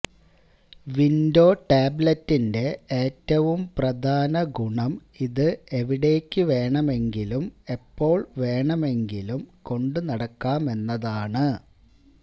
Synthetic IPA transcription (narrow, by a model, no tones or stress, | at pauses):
ʋindo̞ːʈaːblɐtːinde̞eːtːɐʋumprɐd̪ʱaːnɐɡuɳɐm | iðɨe̞ʋiɽe̞ːkʲːɨʋe̞ːɳɐme̞ŋɡilume̞pːo̞ːɭʋe̞ːɳɐme̞ŋɡilumko̞ɳɖɨnɐɽɐkːaːme̞nːɐðaːɳɨ